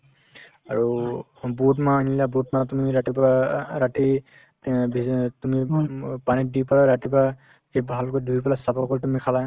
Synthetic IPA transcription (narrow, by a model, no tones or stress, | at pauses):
aɹu | butmanilabutmatumiɹatipaaɹati | bʱitumipanidipalaɹatipa | kebʱalkodʱuipalasapɔkɔltumikʰala